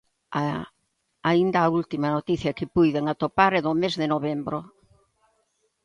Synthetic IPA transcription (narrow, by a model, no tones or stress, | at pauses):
a | aind̪ɐːult̪imɐnot̪iθjɐkɪpujðeŋat̪opaɾɛðomezðɪnoβembɾo